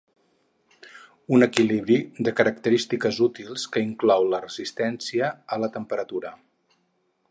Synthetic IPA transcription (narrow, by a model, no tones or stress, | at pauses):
unəkiliβɾid̪əkəɾək̚t̪əɾist̪ikəzut̪ilˠskəiŋklɔwlərəzist̪ɛnsiəːlət̪əmpəɾət̪uɾə